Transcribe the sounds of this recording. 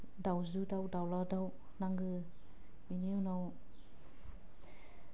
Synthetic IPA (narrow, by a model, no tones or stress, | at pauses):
dawzudawdawlɔdaw | naŋɡɯ | viniunɔw